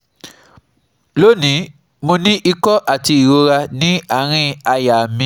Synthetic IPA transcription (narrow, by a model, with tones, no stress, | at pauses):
lo˦nĩ˨˦ | mõ˧nĩ˦ʔi˧kɔ˦ʔa˨ti˧i˨ɾo˧ɾa˧nĩ˦a˦˨ɾ̃ĩ˧a˧ja˨mĩ˧˦